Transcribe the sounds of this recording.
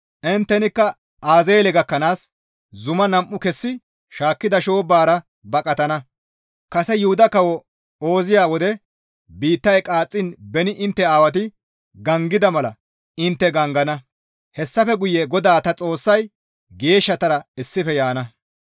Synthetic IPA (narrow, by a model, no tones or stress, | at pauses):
ʔɛnt̪ːɛnɪkːɐ | aːzeːlɛɡɐkːɐnaːs | zʊmɐnɐmʔːʊkɛsːɪ | ʃaːkːɪd̪ɐʃo̞ːbaːɾɐ | bɐkʼɐt̪ɐnɐ | kɐsɛjʊhʊd̪ɐkɐwɔ | oːzɪjaːwɔd̪ɛ | biːt̪ːɐjkʼaːt͡sʼːɪnbɛnɪʔɪnt̪ːɛaːwɐt̪̬ɪ | ɡɐŋɡɪd̪ɐmɐlɐ̰ | ɪnt̪ːɛɡɐŋɡɐnɐ | hɛsːɐfɛɡʊjɛɡɔd̪aːt̪ɐt͡sʼo̞ːsːɐj | ɡe̞ːʃːɐt̪ɐɾɐɪsːɪfɛjaːnɐ